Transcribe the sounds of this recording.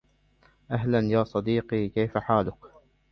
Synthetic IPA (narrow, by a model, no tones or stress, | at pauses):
ʔaɦlanjaːsˤɑd̪iːqiːkajfaħaːlʊk